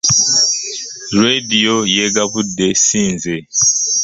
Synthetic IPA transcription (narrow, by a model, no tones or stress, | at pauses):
ɾedijojeɡaβudːe̞siːnze